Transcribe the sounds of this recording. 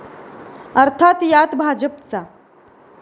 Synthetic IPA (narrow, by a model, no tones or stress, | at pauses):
əɾt̪ʰat̪jat̪bʱad͡ʑəpt͡sa